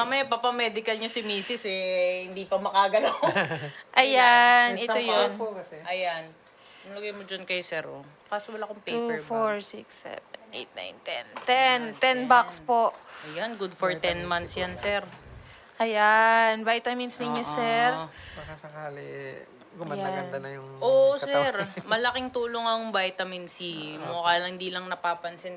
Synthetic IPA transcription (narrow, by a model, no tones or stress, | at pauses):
mamɐjapapɐmɛd̪ɪkɐlɲosɪmiːsɪsɛhɪnd̪iːpɐmɐkaɡɐlawʔɐjanɪt̪ojopkɐʔɐjan | ɐlɐɡɐjmod͡ʒɐnkɐjsɛɾo̰ | kaːsowɐlakoŋpufoɹsiksːɛ̰vɛnʔḛjt̪̚na̰jnt̪ɛ̰nt̪ɛnt̪ɛnbakspo̞ʔʔɐjanɡʊd̪foɹt̪ɛnmant̪sjansɛɾ | ʔɐjanvajt̪ɐmɪnsnɪɲosɛɾakɐsɐkaːli | ɡaɡɐnd̪ɐnɐjʊŋʔoʔsɛɾmɐlɐkɪŋt̪uːloŋɐŋbajt̪ɐmɪnsimokaːlɐɪnd̪iːlɐŋnɐpaːpɐnsɛn